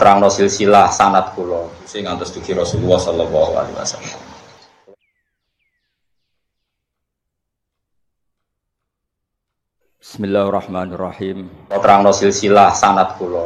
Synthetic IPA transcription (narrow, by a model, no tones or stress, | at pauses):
t̪ɾaŋnɔsilsilahsanat̪̚kulɔseŋant̪ʊsd̪̥ṳki̤ɾɔsululːahsɔlɔlːɔɦua̰lḭwa̰sa̰lala | bɪsmilːaːhrːɑħmaːnrːɑħiːmpɔt̪ɾaŋnɔsilsilahsanat̪̚kulɔ